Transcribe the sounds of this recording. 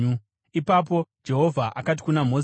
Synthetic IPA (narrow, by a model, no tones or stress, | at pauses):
u | ipap̬o̞d͡ʒe̞ɦo̞vʱaʔakati̥kunam̤o̞